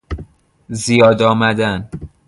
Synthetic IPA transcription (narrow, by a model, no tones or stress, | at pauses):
zijɒːd̪ɒːmæd̪æn